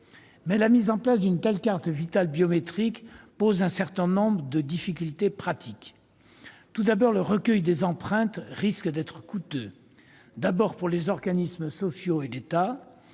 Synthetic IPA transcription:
mɛlamizɑ̃plasd̪ynt̪ɛlkaʁt̪vit̪albjɔmet̪χikpozɛ̃sɛʁt̪ɛ̃nɔ̃bʁəd̪əd̪ifik̬ʲylt̪epχat̪ʰik | t̪ud̪abɔʁləʁəkʲœjd̪ezɑ̃pχɛ̃t̪ʁiskd̪ɛt̪χəkut̪ø | d̪abɔʁpuʁlezɔʁɡanismsɔsjoelet̪a

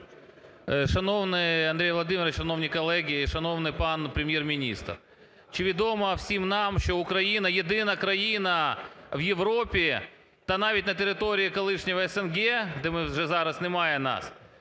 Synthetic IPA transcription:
ʃɐnoʋnɪɐnd̪ɾʲejʋlˠɐd̪ɪmʲɪɾɐʃɐnoʋnʲijkɐlˠɛɡʲɪʃɐnoʋnɪjpɑnpɾʲɪmjermʲinʲḭst̪r | t͡ʃiʋʲɪd̪omɐwsʲimnɑmʃt͡ʃɔʊkɾɐjinɐjɪd̪ɪnɐkɾɐjinɐʋjɪʋɾopʲi | t̪ɐnɑʋʲitʲnɐt̪ʲeɾɪt̪oɾʲiikɐlˠɪʂnʲɪʋɐɛsɛnɡɛd̪ɛmɪʒɛzɑɾɐsnɪmɑjɛnɑ̰s

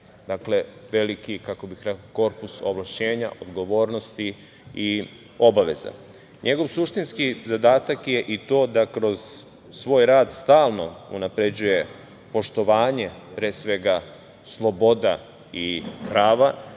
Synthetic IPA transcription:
d̪akle̞ʋe̞likikako̞bixɾekoko̞ɾpuso̞̰ʋlˠaʃe̞ːɲa̰ʔod̪ɡo̞ʋo̞ːɾno̞st̪i | i | o̞baʋe̞za̰ | ɲʔe̞ɡo̞ʋsuʃt̪inskizad̪aːt̪akje̞ʔit̪o̞ːd̪akɾo̞z̥ | sʋo̞ːjɾaːd̪st̪aːlˠno̞̰unapɾe̞d͡ʑuje̞ | po̞ʃt̪o̞ʋaːɲe̞pɾeːsʋe̞ɡa | slˠo̞bo̞d̪a̰ | ipɾaːʋa

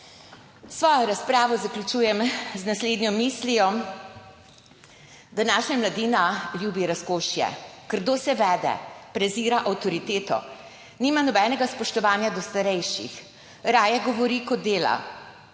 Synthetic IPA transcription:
sʋɔːjɔɾaspɾaːʋɔzaklʲut͡ʃuːjɛmznasleːd̪njɔmislijɔ | d̪anaːʃɲʲamlad̪iːnaljuːbiɾaskoːʃjɛ̰kəɾd̪oːsɛʋɛːd̪ɛ̰pɾɛziːɾaʔawt̪ɔɾit̪eːt̪ɔ̰ | nimanɔbɛːnɛɡaspɔʃt̪ɔʋaːnjad̪ɔst̪aɾɛjʃḭx | ɾaːjɛɡɔʋɔɾikɔd̪ːeːla̰

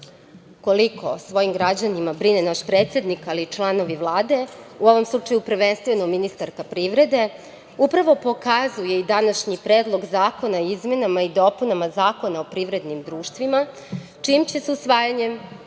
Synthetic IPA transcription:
ko̞likʰo̞̰sʋo̞jimɡɾad͡ʑanimabɾinenaʃpɾe̞ːt̪sje̞d̪nikalit͡ʃlˠano̞ʋiʋlˠaːd̪e̞uo̞ʋo̞mslˠut͡ʂajupr̩ʋenst̪ʋeno̞minist̪aɾkapɾiʋɾe̞d̪e̞ | upɾaʋo̞po̞kazuje̞id̪anaʃɲipɾeːd̪lˠo̞ɡzaːko̞naizme̞namaid̪o̞punamazaːko̞naopɾiʋɾe̞d̪nimd̪ɾuːʃt̪ʋima | t͡ʂimt͡ɕeseusʋaːjaɲem

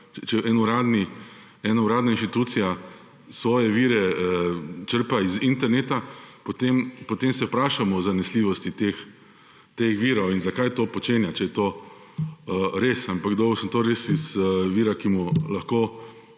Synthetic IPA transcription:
t͡ʃɛʔɛnuɾaːd̪ni | ɛːnauɾaːd̪nainʃt̪it̪uːt̪sija | sʋɔːjɛʋiːɾɛət͡ʃəɾpaizint̪ɛɾnet̪apot̪empɔt̪emsɛpɾaːʃamɔːzanɛsliʋɔst̪it̪ex | t̪exʋiːɾɔwinzakajt̪oːpɔt͡ʃeːnjat͡ʃɛjɛt̪o | ɾesampaɡd̪oːɡɔwsənt̪oːɾesizʋiːɾakimulaxkoː

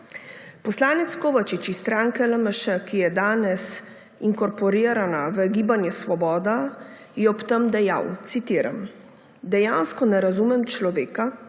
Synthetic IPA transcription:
pɔslaːnɛt̪skoːʋat͡ʃit͡ʃist̪ɾaːŋkɛləməʃəkijɛd̪aːnɛs | iŋkɔɾpɔɾiːɾanaʋəɡiːbanjɛsʋɔbɔːd̪a | jɛɔpt̪əmd̪ɛja̰wt̪sit̪iːɾa̰m | d̪ɛjaːnskɔnɛɾazuːmɛmt͡ʃlɔʋeːka

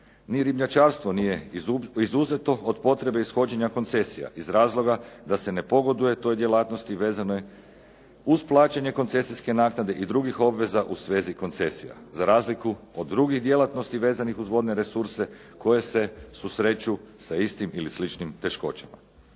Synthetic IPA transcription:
niɾibɲat͡ʃaːɾst̪ʋo̞nije̞izuze̞t̪o̞od̪po̞t̪ɾe̞be̞isxo̞d͡ʑe̞ɲako̞nt̪se̞sija̰ʔizɾaːzlˠo̞ɡad̪ase̞ne̞po̞ɡo̞d̪uje̞t̪o̞jd̪jelat̪nost̪iʋeːzanoj | uzplˠaːt͡ɕeɲe̞kont̪se̞siske̞naːknad̪e̞ʔid̪ɾuɡixo̞bʋe̞zaʔusʋe̞ːziko̞nt̪se̞sija̰zaɾaːzlikuod̪ːɾuɡiɣd̪je̞lat̪no̞st̪iʋe̞ːzanixuzʋo̞d̪ne̞ɾe̞suɾse̞ | ko̞je̞se̞susɾe̞t͡ɕusaist̪imilislit͡ʃnimt̪e̞ʃko̞̰t͡ɕama̰

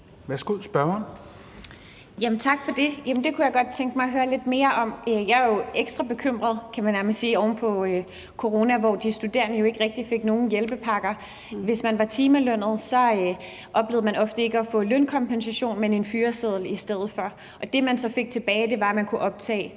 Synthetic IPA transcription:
ʋæɐsɡ̥o̝ðˠsb̥ɶɐn | jæmən̩t͡sʰɑ̈ɡ̥fɒ̽d̥e̝jæmnd̥e̝kʰujɑ̈ɪɡ̥ɒ̽d̥̚t͡sʰeŋɡ̥əmɑ̈ɪɦøːɐle̝d̥̚me̝ːɐʔɒ̽møjɑ̈ɪjoeɡ̥sd̥ʁɑb̥e̝kʰøm̰ʁɐð̞ˠkʰæmænæɐməlisiːɒʊn̩pʰɒ̽ | kʰo̝ʁo̝ːnæʋɒ̰d̥isd̥ud̥e̝ɐ̰nəjo̝e̝ɡ̥əʁɛɡ̥̚d̥ife̝ɡ̥̚no̝ːn̩jelb̥əpʰɑ̈ɡ̥ɐ | ʋe̝smænʋɑ̈t͡sʰiːmæløn̰ð̞̩ˠsɒ̽ | ʔɒ̽b̥le̝ð̩ˠmænɒ̽fd̥əe̝ɡ̥əɒfɔ̰̽lønkʰɒ̽mpʰensæɕo̝̰ːnmene̝nfyːɐseð̞ˠl̩isd̥eð̞̰ˠð̩ˠfɒ | ʔɒ̽d̥e̝mænsɒ̽fe̝ɡ̥̚t͡sʰe̝b̥ɛːɪd̥e̝ʋɑ̈æmænkʰuʔɒ̽b̥̚t͡sʰɛ̰ː

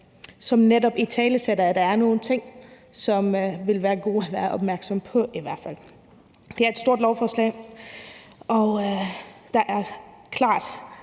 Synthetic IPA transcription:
sɒ̽mnedɒ̽b̥it͡sʰɛːləsed̥ɐæd̥ɑ̈æɐno̝ːn̩t͡sʰe̝ŋ̰ | sɒ̽mʋe̝lʋæːɐɡ̥o̝̰ːæʋæːɐʔɒ̽b̥mæɐɡ̥sɒ̽mpʰɒ̽ʔiʋæɐ̰fæl̰ | d̥e̝æɐed̥sd̥o̝ɐ̰dlɒʊfɒːslɛ̰ː | ʔɒ̽ | d̥ɑ̈ʔæɐkʰlɑ̰̈ːd̥

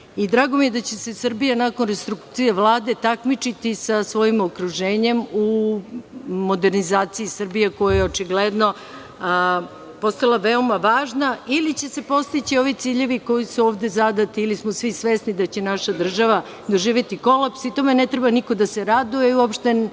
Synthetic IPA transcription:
id̪ɾaːɡo̞mijed̪at͡ɕe̞se̞sr̩bijanako̞nɾest̪ɾukt̪sijeʋlˠaːd̪e̞t̪akmit͡ʃit̪isasʋo̞jimokɾuʒe̞ːɲe̞mu | mo̞d̪e̞ɾnizaːt̪siisr̩bijeko̞jajeo̞t͡ʃiɡled̪no̞ | po̞st̪alˠaʋeo̞maʋaːʒnailit͡ɕe̞se̞po̞st̪it͡ɕio̞ʋit̪siːʎe̞ʋiko̞jisuoːʋd̪e̞zad̪at̪iːlismosʋisʋesnid̪at͡ɕe̞naʃad̪r̩ʒaʋa | d̪o̞ʒiːʋje̞t̪iko̞lapsit̪o̞me̞net̪ɾe̞baniko̞d̪ase̞ɾad̪ujeiuopʃt̪e

